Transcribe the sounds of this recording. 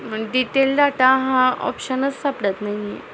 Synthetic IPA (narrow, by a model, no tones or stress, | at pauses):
əɖiʈeldaʈaɦãɔ̰pɕənət͡ssapɽət̪naɦiḛ